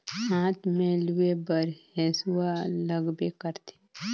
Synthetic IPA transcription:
ɦãːt̪mẽluebəɾheːsualəɡbekəɾt̪e̥

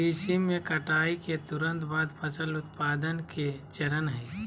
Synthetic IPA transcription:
isimẽkɐʈaːiket̪ʊɾə̃nt̪baːd̪pʰəsəlʊt̪̚paːd̪ənket͡ʃɐɾənɦɛː

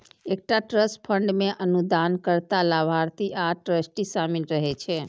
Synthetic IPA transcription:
ek̚ʈaʈɾəspʰəɳɖmeʔənud̪ankəɾt̪alabʱaɾt̪iʔaʈɾəsʈisaminɾəɦɛt͡ʃʰɛ

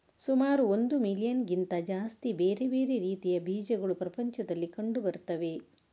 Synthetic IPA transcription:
sumaːɾuond̪umilijɐnɡint̪ɐd͡ʒaːst̪ibeːɾebe̞ːɾeɾiːt̪ijɐbʱiːd͡ʒɐɡɐɭupɾɐpɐɲt͡ʃɐd̪ɐlːikɐɳɖubɐɾut̪ːɐʋe̞

